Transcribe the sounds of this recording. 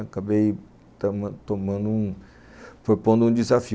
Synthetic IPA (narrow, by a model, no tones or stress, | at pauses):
kabei | t̪m̃t̪õmɐ̃nd̪uũ | pɾopõnd̪ũd͡ʒizafi